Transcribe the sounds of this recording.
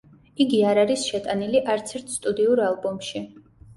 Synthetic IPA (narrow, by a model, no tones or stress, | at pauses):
iɡiaɾaɾisʃɛt̪ʼaniliʔaɾt̪sʰɛɾt̪ʰst̪ʼud̪iuɾalˠbɔmʃi